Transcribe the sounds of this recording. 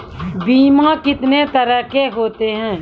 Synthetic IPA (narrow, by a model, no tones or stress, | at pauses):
biːmakɪt̪net̪ɐɾəɦkeɦoːt̪eɦɛ̃ː